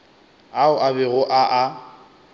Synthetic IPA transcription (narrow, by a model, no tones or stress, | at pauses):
aʊʔabɛɣʊʔaʔa